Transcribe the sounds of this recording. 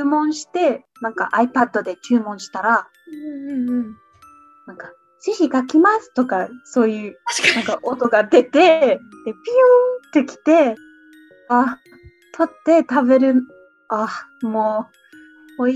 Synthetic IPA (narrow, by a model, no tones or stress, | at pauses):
mõ̞ɰ̃ɕi̥t̪e̞ | nãŋka̰ʔaipad̪ːo̞d̪e̞t͡ɕɨːmõ̞ɕi̥t̪aɾa | ɯ̃ɴɯ̟̃ɴ | nãŋka | ɕiçikakʲimasɨ̥t̪o̞kaso̞ːjɯ̟ːnãŋkaʔo̞t̪o̞ɡad̪e̞t̪e̞d̪epʲiot̪ːe̞kʲi̥t̪e̞ | a | t̪ʰo̞t̪ːe̞t̪abe̞ɾɯ̟ | amoː | oi